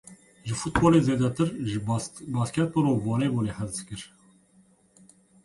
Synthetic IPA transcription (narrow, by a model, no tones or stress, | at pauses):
ʒɨfut̪̚boːleːzeːd̪ɛt̪ʰɨɾ | bɑːskʲɛt̪̚bɔɾoːvɑːneːbuːneːhæzskɨɾ